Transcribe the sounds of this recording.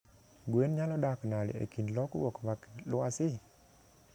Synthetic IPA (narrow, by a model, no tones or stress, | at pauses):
ɡwenɲalɔɗakənalḭʔḛkinlɔkṵokvakloasi